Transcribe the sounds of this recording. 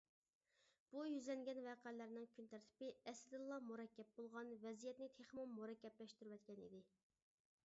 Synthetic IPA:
b̥ujyzlɛŋɡʲɛnvɛqælæɾnɪŋkʲʰynt̪ʰæɾt̪ʰɪ̥pɪɛslɪd̪ɨlˠːɑmuɾɛkʲːɛp̚bolˠʁɑnvɛzijɛt̪nɪt̪ʰeχmumuɾɛkʲːɛplɛʃt̪yɾwɛt̪kʲɛnḭd̪ɪ

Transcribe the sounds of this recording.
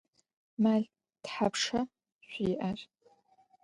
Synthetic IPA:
maɮʲ | d̥ħapʰʂa | ʃʷiʔar

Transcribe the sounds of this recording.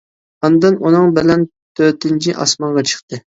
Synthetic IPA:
ɑnd̪ɨnunɨŋbɪlɛn | t̪ʰøɾt̪ɪnt͡ʃʰiʔɑ̰smɑnʁɑt͡ʃʰə̥χt̪ɨ

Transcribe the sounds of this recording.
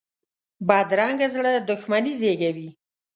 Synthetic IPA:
bɑd̪ɾɑŋɡazɽəd̪ʊxmanizeɡawi

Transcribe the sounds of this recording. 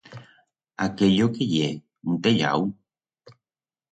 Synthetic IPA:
akejokeje | n̩t̪eʎa̰w

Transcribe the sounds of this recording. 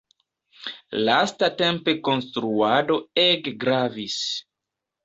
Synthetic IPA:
lastate̞mpe̞ko̞nstɾuado̞eɡɡɾavis

